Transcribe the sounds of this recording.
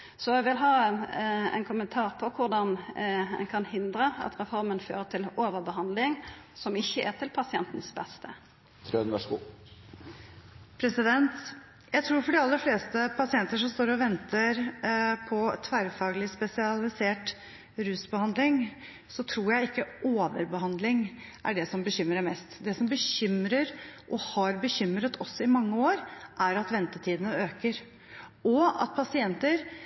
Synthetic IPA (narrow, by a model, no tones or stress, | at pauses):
sɔɛɡʋɪlɦɑː | ɛ̰nkʰʊmənt̪ʰɑːʁpʰɔkʰʊɖɑnɛ̰nkʰɑnhɪnd̪ɾəɑ̰t̪ʁɛfɔɾmənfø̰ːɾət̪ʰɪloːʋəbəɦɑnd̪lɪŋsɔmɪçːəʔæ̰ʁt̪ʰɪlpʰɑsɪɛ̰nt̪n̩sbɛst̪ə | t̪ʰɾønʋæʂɡu | pʰɾɛsɪd̪ɛnt̪ | jæɪt̪ʰɾuːɾfɔɖɪɑlːəɾfleːst̪əpʰɑsɪɛnt̪əʂɔmst̪oːɾɔʋɛnt̪ʰəɾpʰɔt̪ʰʋæɾfɑːɡəlɪspɛsɪɑlɪseːʈ | ɾʉːsbəhɑnd̪lɪŋ | sɔt̪ʰɾuːɾjæɪɪkːəoːʋəɾbəɦhɑnd̪lɪŋʔæ̰ɖɛsɔmbəçʏmːəɾəmɛst̪d̪ɛsɔmbəɕʏmɾəɾʔɔhɑɾbəɕʏmɾət̪ʰɔsːɔɪmɑŋːəoːɾʔæɾɑt̪ʋɛnt̪ət̪ʰiːd̪ənəøːkəɾ | ɔɑ̰t̪̚pʰɑsɪɛnt̪əɾ